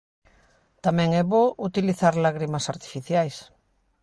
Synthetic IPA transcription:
t̪amɛ̃ŋɛβoʔut̪iliθaɾlaɣɾimasaɾt̪i̥fiθjajs

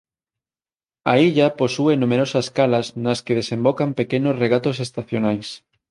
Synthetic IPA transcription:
ɐiʎɐposuenumeɾosɐskalɐznɐskeð̞esẽmbokɐmpekenʊsreɣat̪osest̪aθjonajs

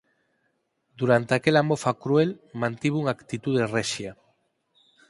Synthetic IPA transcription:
d̪uɾant̪eakelamofakɾuelmãnt̪iβuŋakt̪it̪uð̞ereʃja

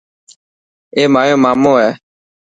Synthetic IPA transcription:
emãjõmãmõɛ

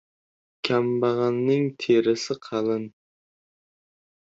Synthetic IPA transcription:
kʲʰɛmbɑʁɑnːɪŋt̪ʰeɾɪsɪqʰɑlˠɨn

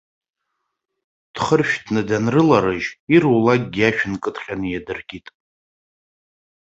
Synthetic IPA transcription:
d̥χərʃᶣdʰnɨdanrɨlaɾɨʒirulaɡ̚ɡʲaʃᶣɪnkʼɨtʰʼχʲʼanɨjadɨrɡʲʼitʼ

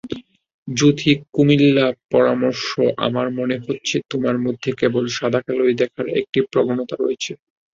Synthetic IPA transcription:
d͡ʑut̪ʰikumilːapɔɾamoɾʃoʔa̰maɾmoneɦotːɕʰet̪omaɾmod̪ʱːekebolʃad̪ʱakalojd̪ɛkʰaɾḛk̚ʈipɾobʱonot̪aɾo̰jet͡ɕʰe

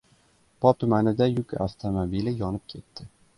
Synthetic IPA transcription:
pɒp̚t̪ʰɵmanɪd̪ajʊkʲa̰ft̪ʰamobilɪjɒnɪp̚kʲʰe̞t̪ːɪ

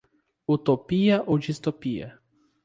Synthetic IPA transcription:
ut̪opiɐʔowd͡ʒist̪opiɐ̰

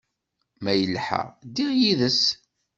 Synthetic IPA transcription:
mæjəlːħæ̰ʁd̪iʁjiðəs

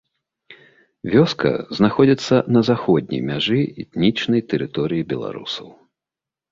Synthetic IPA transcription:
vʲɔskɐ̰znaxɔd͡zʲit̪sːɐnɐzaxɔd̪̚ʲnʲḭjmʲaʐɨɛt̪nʲit͡ʂnɐjt̪ɛɾɨt̪ɔɾɨjibʲɛlˠa̰ɾṵsɐw

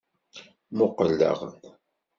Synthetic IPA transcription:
mʊqəlːə̰ʁ

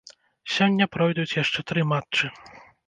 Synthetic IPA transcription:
sʲɔnʲːɐpɾɔjd̪ut͡sʲjaʂt͡ʂɛt̪ɾɨmatt͡ʂt͡ʂːɨ

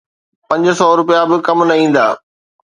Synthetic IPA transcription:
pɐ̃ɲd͡ʑsɔːɾʊpijabɪkɐmnɐĩːn̆d̪a̰ː

